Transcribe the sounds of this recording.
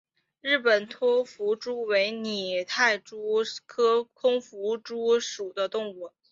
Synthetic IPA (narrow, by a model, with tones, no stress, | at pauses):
ɻ̩˥˩pə˨˩nt̪ʰwɔ˥fu˧˥ʈ͡ʂu˥we˧˥ɪni˨˩t̪ʰa˥˩ɪʈ͡ʂu˥kʰɤ˥kʰʊ˥ŋfu˧˥ʈ͡ʂu˥ʂu˨˩d̪ə˦t̪ʊ˥˧ŋu˥˩